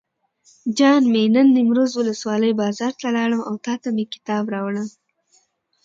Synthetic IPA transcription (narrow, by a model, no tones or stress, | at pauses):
d͡ʒɑnmenənːimɾozwʊləswɑləjbɑzɑɾt̪alɑɽəmawt̪ɑt̪amekɪ̥t̪ɑbɾɑwɳəm